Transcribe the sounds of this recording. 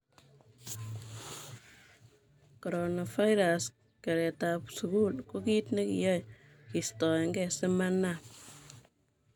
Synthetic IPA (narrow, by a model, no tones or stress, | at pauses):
koɾonafajɾas | kɛɾɛtapsukulkokitnekḭjɔj | kistɔŋɡɛsemanap̚